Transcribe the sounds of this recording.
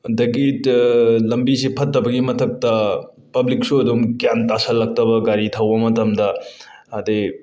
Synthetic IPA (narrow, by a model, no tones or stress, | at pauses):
dɐɡi | lɐmbisepʰɐtːɐbɐɡimɐtʰɐk̚tɐ | pɐblik̚suɐdumɡjantasɐlːɐk̚tɐbɐɡaɾitʰɐwbɐmɐtɐmdɐɐde